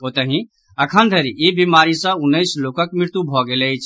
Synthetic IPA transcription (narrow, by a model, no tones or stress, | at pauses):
ot̪əɦĩ | əkʰənd̪ʱeɾiebimaːɾisə̃ʊnːəɪsloːkəkmɾɪɾt̪ubʱɔɡeleit͡ʃʰ